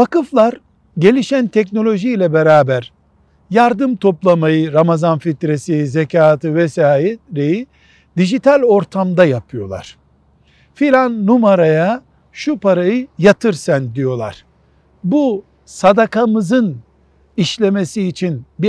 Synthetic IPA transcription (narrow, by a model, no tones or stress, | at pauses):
vakɯflˠaɾ | ɟe̞lʲiʃænt̪ʰɛcno̞lʲo̞ʒijlʲɛbeɾaːbæɾ | jaɾd̪ɯmt̪ʰo̞plˠamajɯɾamazanfit̪ɾesizecʰaːt̪ɯvɛsaːjeɾeji | d̪iʒit̪ʰalʲo̞ɾt̪ʰamd̪ajapʰɯjo̞lˠa̰ɾ̥ | filʲanːumaɾaja | ʃupaɾajɯjat̪ʰɯɾsand̪ijo̞lˠa̰ɾ̥ | bu | sad̪akamɯzɯn | iʃlʲe̞me̞siːt͡ʃʰinbi